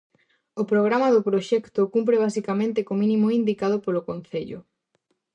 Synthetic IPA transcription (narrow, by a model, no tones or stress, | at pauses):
opɾoɣɾamaðʊpɾoʃɛkt̪ʊkump̬ɾeβ̞asikamẽnt̪ekomĩnĩmoind̪ikað̞opolokon̟θeʎʊ̰